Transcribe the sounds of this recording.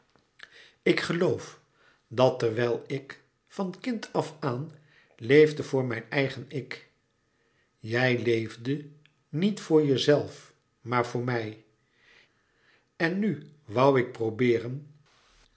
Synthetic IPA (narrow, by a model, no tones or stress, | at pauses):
ɪkχəlowf | dɑtɛɹʋɛlˠɪk | fɑnkɪntʰɑfaːn | lejvdəvʊːɹmɛjnɛjχənɪk | jɛjlejvdə | nitfʊːɹjəzɛlˠf | maːɹvʊːɹmɛj | ɛnːyʋʌwɪk̚prowbɪːrən